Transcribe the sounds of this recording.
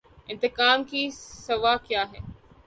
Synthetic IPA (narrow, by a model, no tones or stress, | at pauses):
ɪ̃nt̪ɪkaːmkʰiːsɐʋaːkjaːɦe